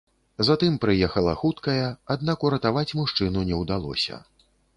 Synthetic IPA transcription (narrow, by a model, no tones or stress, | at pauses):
zat̪ɨmpɾɨjɛxɐlˠɐ̰xut̪kɐjɐad̪̚nakuɾɐt̪avat͡sʲmuʂt͡ʂɨnunʲɛwd̪alˠɔ̰sʲɐ̰